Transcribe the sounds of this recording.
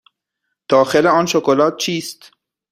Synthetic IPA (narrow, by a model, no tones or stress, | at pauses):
d̪̥ɒːxeleɒːnʃokolɒːt̪̚t͡ʃʰiːst̪